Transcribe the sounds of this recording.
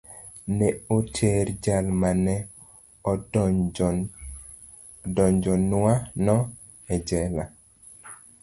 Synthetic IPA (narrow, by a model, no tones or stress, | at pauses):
nɛotʰeɾd͡ʒalmanɛ | ɔ | dɔɲd͡ʒɔnwanɔ | ɛd͡ʒɛla